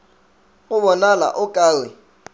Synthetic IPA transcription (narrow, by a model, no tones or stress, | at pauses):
ɣʊβɔnala̰ʔʊkʼaːwɪ